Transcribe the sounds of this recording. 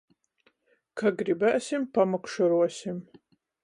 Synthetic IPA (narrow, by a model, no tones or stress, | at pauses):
kʰɐɡribɐʔɐsimpʰamɐkʷʂɐɾuɐsim